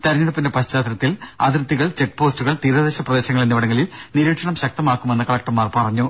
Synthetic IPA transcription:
t̪ɐɾɐnːiɽɐpːindepɐɕt͡ɕaːt̪ɾɐt̪ːilɐðirt̪ːiɣɐɭt͡ɕe̞k̚ːpoːstuɣɐɭt̪iːɾɐðeːɕɐprɐðe̞ːɕɐŋːɐɭenːiʋɐɽɐŋːɡɐliniɾiːʈʂɐɳɐmɕɐk̚t̪ɐmaːkːume̞nːɨkɐɭɐk̚ʈːɐmaːrpɐrɐɲːu

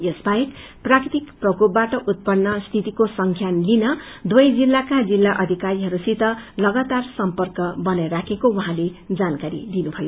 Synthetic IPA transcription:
jesbajek | prakrit̪ikprʌkup̚baʈʌʔut̪̚pʌnːʌst̪ʰit̪ikosʌŋkʰjanlinʌ | d̪wʌjd͡zilːakad͡zilːaʔʌd̪ʱikaɾiɦʌɾusit̪ʌlʌɡʌt̪arsʌmpʌrkʌbʌnajɾakʰekowaɦãled͡zankaɾḭd̪inubʱʌjo

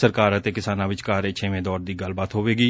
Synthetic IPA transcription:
əɾkaːɾət̪eːkɪsaːnãːʋɪt͡ʃkaːɾeːt͡ʃʰeːʋẽːd̪ɔːɾd̪iːɡəlbaːt̪ɦoːʋeːɡiː

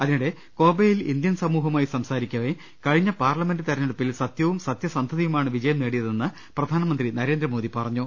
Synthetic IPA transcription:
ɐðinuɽe̞ | ko̞ːbejilḭnd̪jɐnsɐmuːɦɐmaːjisɐmsaːɾikʲːɐʋe | kɐɻiɲːɐpaːrlɐme̞ndɨt̪ɐɾɐɲːuɽupːilsɐt̪jɐʋumsɐt̪jɐsɐnd̪ʱɐðɐjumaːɳɨʋid͡ʑɐjɐmneːɽijɐðe̞nːɨ | prɐd̪ʱaːnɐmɐnd̪rinɐɾe̞ːnd̪rɐmo̞ːðipɐrɐɲːu

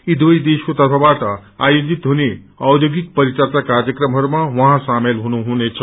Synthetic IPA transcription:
id̪ʋəjd̪eɕut̪at̪ʰaʋaʈaajod͡zit̪ɦone | awd̪joɡik̚pəɾit͡sat͡sakaɾjəkɾəmɦəɾmaʋəɦãsamelɦoñuɦoñet͡sʰə

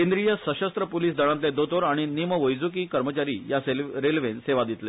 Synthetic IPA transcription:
kẽnd̪ɾijəsəɕəst̪ɾəpoliːsd̪əɽ̃ãnt̪ed̪ot̪oɾaɽ̃iniməʋəjd͡zukiːkəɾmət͡ɕaɾiːjaseɾelʋenseʋad̪it̪le

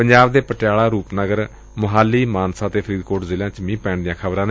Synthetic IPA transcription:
pəɲd͡ʒaːbd̪eːpəʈjaːlaːɾuːpnəɡəɾ | məɦaːliːmaːnsãːt̪eːpʰəɾiːd̪koːʈzɪlãːt͡ʃmĩːpɛ̃ːɳd̪ɪjãːkʰəbɾãːne

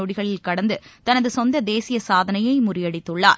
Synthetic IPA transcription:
ɔɽɪɣɐɭɪlkɐɽɐnd̪ɯt̪ɐnɐðɯsɔnd̪ɐd̪eːsɪjɐsaːðɐnɐjɐɪmʊrɪjɐɽɪt̪ːɯɭːa̰ːɾ

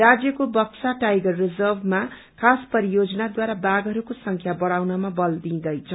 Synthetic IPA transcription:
rad͡zjʌkobʌkt͡saʈajɡʌrːid͡zʌrbʱma | kʰaspʌɾijod͡zʌnad̪waɾabaɡʌɾukosʌŋkʰjabʌɽawnamabʌld̪ĩd̪ʌjt͡sʰʌ

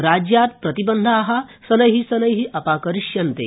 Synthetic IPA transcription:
ɾaːd͡ʒjaːt̪̚pɾɐt̪ibɐnd̪ʱaːɦɐsɐnɐɦisɐnɐjɦiʔɐpaːkɐɾiʃjɐnt̪ḛː

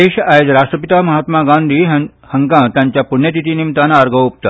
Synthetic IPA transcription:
eɕajod͡zɾaʂʈɾəpit̪amɐɦat̪maɡãnd̪ʱiː | həŋkãt̪jãɲt͡ɕjapuɳjət̪it̪iːnimt̪anaɾɡʱəup̚t̪a

